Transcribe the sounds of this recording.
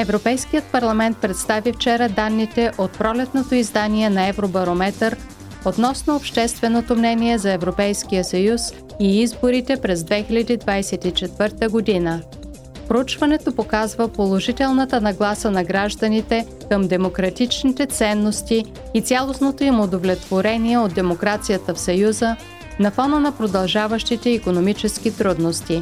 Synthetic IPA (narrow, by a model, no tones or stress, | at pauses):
ɛvɾopɛjskijət̪̚pɐɾlˠɐmɛnt̪̚pɾɛt̪st̪avift͡ʃɛɾəd̪anːit̪ɛʔot̪̚pɾɔlɛt̪not̪oizd̪aniɛnɐɛvɾobɐɾomɛt̪əɾ | ot̪nɔsnoːpʃt̪ɛst̪vɛnot̪omnɛniɛzɐɛvɾopɛjskijəsɐjus | iizboɾit̪ɛpɾɛzd̪vɛxilʲɐd̪id̪vajsɛt̪it͡ʃɛt̪vɤɾt̪əɡod̪inə | pɾout͡ʃvɐnɛt̪opokazvəpolˠoʒit̪ɛlˠnət̪ənɐɡlˠasənɐɡɾaʒd̪ənit̪ɛ | kəmd̪ɛmokɾɐt̪it͡ʃnit̪ɛt̪sɛnːost̪iː | t̪sʲalˠosnot̪oimod̪ovlʲɛt̪v̥oɾɛniɛod̪̚d̪ɛmokɾat̪sijət̪əfsɐjuzə | nɐfɔnənɐpɾod̪ɐlˠʒavəʃt̪it̪ɛikonomit͡ʃɛsk̟it̪ɾud̪nost̪i